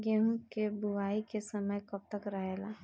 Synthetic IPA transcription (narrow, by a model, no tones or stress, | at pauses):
ɡeɦũkebuʋaːikesəməjkəp̚t̪əkɾəɦela